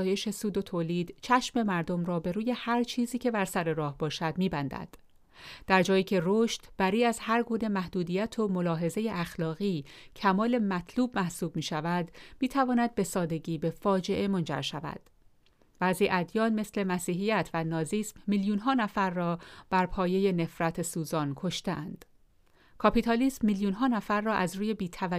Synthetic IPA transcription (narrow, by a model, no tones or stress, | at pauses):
je̞ʃe̞suːd̪o̞t̪ʰoːliːd̪t͡ʃʰæʃme̞mæɾd̪o̞mɾɒːbe̞ɾuːje̞hæɾt͡ʃʰiːziːcʰe̞bæɾsæɾe̞ɾɒːhbɒːʃæd̪miːbænd̪æ̰d̪̥ | d̥̪æɾd͡ʒɒːjiːcʰe̞roʃt̪b̥æɾiːæzhæɾɡuːnemæhd̪uːd̪ijæt̪ʰo̞mo̞lɒːɦe̞ze̞jeʔæxlɒːɣiːcʰæmɒːle̞mæt̪ʰluːbmæhsuːb̚miːʃævæd̪miːt̪ʰævɒːnæd̪̚be̞sɒːd̪e̞ɟiːbe̞fɒːd͡ʒe̞ʔe̞mo̞nd͡ʒæ̰ɾʃævæ̰d̪̥ | væziːʔæd̪jɒːnme̞sle̞mæsiːɦijæt̪ʰvænɒːziːsmːiljuːnɦɒːnæfæɾːɒːb̥æɾpʰɒːje̞je̞ne̞fɾæt̪ʰesuːzɒːnkʰo̞ʃt̪eʔænd̪̥ | kʰɒpit̪ʰɒliːsmːiljuːnɦɒːnæfæɾːɒːʔæzruːje̞biːt̪ʰævæ